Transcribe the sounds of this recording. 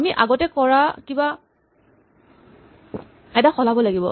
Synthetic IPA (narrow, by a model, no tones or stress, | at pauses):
amiʔa̰ɡɔtɛkɔɹakiba | ɛdaxɔlabɔlaɡibɔ